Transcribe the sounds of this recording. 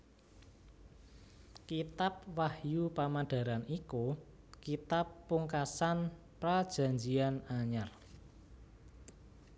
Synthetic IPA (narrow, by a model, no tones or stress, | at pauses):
kit̪ap̚wahjupamaɖ̥a̤ɾaniku | kit̪apːuŋkasan | pɾad̥ʒ̥ä̤ɲd͡ʒianaɲar